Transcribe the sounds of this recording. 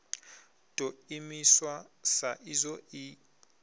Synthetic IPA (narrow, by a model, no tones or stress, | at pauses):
d̥ʼoimiswasaʔizɔi